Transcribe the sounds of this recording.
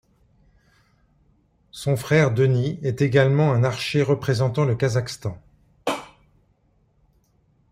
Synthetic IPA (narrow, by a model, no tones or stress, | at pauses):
sɔ̃fχɛʁd̪əniɛt̪eɡalmɑ̃ɛ̃naʁʃeʁəpχezɑ̃t̪ɑ̃ləkazakst̪ɑ̃